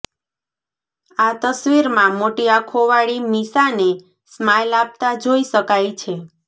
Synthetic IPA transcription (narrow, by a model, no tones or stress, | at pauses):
at̪əsʋiɾmãmoʈiakʰoʋaɭimisane | smajlab̚t̪ad͡ʒoiʃəkajt͡ʃʰe